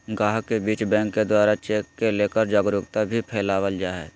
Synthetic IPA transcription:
ɡaːɦkebiːt͡ʃbɛ̃ːŋkːed̪waːɾat͡ʃeːkːeleːkəɾd͡ʒaːɡɾʊkt̪abʱipʰɛːlaːwəld͡ʒaːɦɛ

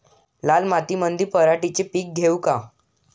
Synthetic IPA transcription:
lalmat̪imənd̪ʱiːpəɾaʈit͡ɕepiːk̚ɡʱeuka

